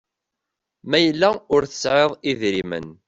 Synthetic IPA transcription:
mæjəlːæʊɾθə̥sʕeðˤiðɾimə̰n

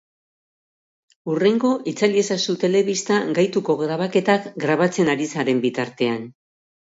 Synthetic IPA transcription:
ure̞ŋɡo̞ʔit͡saliesasut̪e̞le̞βist̪aɡajt̪uko̞ɣɾaβ̞ake̞t̪akɡɾaβat͡se̞naɾisaɾe̞mbit̪aɾt̪e̞an

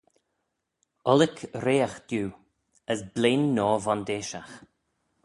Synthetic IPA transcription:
ɔlɪkʰɾeːaxd̪̥juː | əsbleːnːɔːvɔnd̪eːʃax

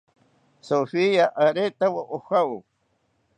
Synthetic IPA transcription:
sofijaʔaɾet̪awaʔoxau

